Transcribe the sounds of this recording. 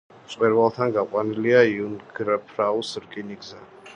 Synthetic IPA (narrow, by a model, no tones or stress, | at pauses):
t̪sʼqʼwɛɾvalˠt̪ʰanɡaqʼwaniliaiunɡɾpʰɾawsɾkʼiniɡza